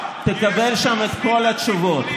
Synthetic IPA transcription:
t̪ekabelʃamet̪ko̞lat̪ʃuvo̞t̪

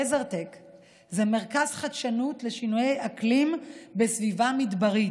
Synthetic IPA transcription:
ezeʁtek | zeme̞ʁkazχadʃanutle̞ʃinujejaklimbe̞svivamidbaʁi

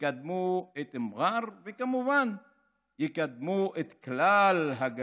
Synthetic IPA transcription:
kad̪muet̪ɪmɣaɾvekamuvan | jɪkad̪muʔet̪klalɦaɡ

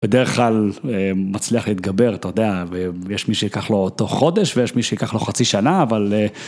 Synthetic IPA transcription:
b̥ed̪eʁeχklalemat͡sliaχleit̪̚ɡabe̞ʁat̪ajod̪eavejeʃmiʃejikaχlo̞ːto̞χo̞d̪e̞ʃvejeʃmiʃejikaχlo̞χat͡siʃanaːvale

